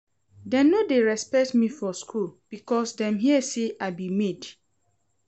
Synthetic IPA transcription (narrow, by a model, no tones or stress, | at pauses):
dɛnːodeɹɛspɛk̚tmifɔskʰulb̥ikɔsdɛ̃mɦiɛseʔabimed